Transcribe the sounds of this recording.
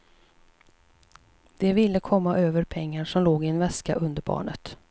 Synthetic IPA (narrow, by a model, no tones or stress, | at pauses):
d̪̥ɛvɪlːəkʰɔmːaʔøːvəɾpʰɛŋːaʂɔmloːɡɪɛnvɛskaʔɵnd̪əɾbɑ̰ːɳət̪